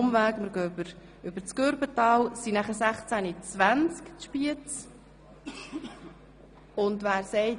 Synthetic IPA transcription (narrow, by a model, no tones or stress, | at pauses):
mvæːkməɾɡøbəɾ | ʏb̥əɾt͡skøɾbətɑːwsinæχəsæχt͡sænit͡sʋænt͡skt͡sʃpiət͡s | ʊnd̪ʋæːɾsɛɪ